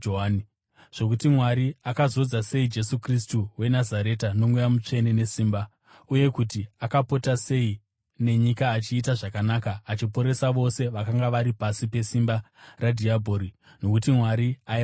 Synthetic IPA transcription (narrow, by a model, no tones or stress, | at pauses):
oɦani | ʐ̥o̞kutimwaɾiakazo̞d͡zase̞id͡ʒe̞sukris̬tuwe̞nazaɾe̞tano̞mwujamut͡ʂe̞ne̞ne̞siːmba | uje̞kutiakapo̞tase̞i | ne̞ɲikaːt͡ʃiːtaʐakanakaːt͡ʃipo̞ɾe̞saʋo̞se̞ʋakaŋɡaʋaɾipasipe̞simba | radʱiabʱoɾi | no̞kutimwaɾiai